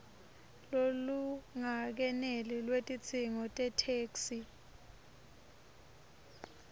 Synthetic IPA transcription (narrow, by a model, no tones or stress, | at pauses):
loluŋak̬ɛnelilwetʼit͡sʰiŋɔtʼɛtʰeːksi